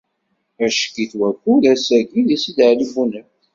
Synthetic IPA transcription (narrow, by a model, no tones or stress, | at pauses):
æʃkiθwækʷːuðæsæɡiðisid̪əʕlibunə